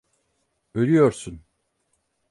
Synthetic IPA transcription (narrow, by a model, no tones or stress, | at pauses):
ølʲyjoɾsun